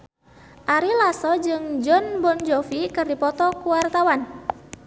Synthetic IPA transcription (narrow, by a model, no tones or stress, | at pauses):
ʔaɾilasɔd͡ʒɨŋd͡ʒɔnbɔnd͡ʒɔfikɨrdipɔt̪ɔkuwart̪awan